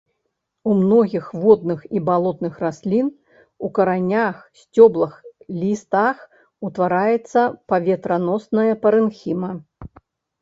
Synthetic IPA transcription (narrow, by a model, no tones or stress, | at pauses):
umnɔɣʲixvɔd̪̚nɨxibalˠɔt̪nɨxrasʲlʲin | ukɐɾanʲaxsʲt͡sʲɔblˠɐxlʲist̪ax | ut̪vaɾajɛt̪sːɐpavʲɛt̪ɾɐnɔsnɐjɐpɐɾɨnxʲimɐ